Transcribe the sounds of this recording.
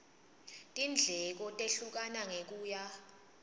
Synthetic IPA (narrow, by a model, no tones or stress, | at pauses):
tʼind͡ɮʱɛk̬ɔtʼeɬuk̬anaŋek̬uːja